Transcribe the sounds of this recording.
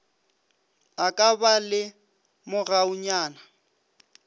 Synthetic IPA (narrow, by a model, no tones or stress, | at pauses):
akʼabalɪ | mʊɣaʊɲaːna